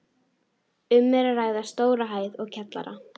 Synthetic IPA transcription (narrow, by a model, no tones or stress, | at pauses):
ʏmːɛɾaraːjɣðast̪oːwɾaɦaːjðɔɣcʰɛt̪la̰ɾa̰